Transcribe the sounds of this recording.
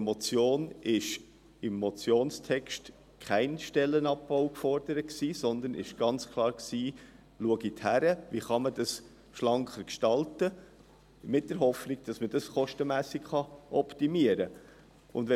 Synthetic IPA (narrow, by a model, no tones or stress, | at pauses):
mɔt͡sjoːnɪʃ | ɪmːɔt͡sjoːnstʰɛkʃt | kʰχæɪnʃtɛlːənɑpːaʊkfɔɾdəɾət̚ksiːsɔnd̪ənɪ̰ʃɡ̥ɑnt͡skʰlˠɑːɾksiː | luəɡithæɾəviχɑməd̥ɑs | ʃlɑŋkχəɾkʃtɑltə | mɪt̚d̥əɾɦɔfniɡ̥̚d̥ɑsməd̥ɑsχɔʃtəmæːsikχɑʔɔptimiəɾə | ʊndʋɛ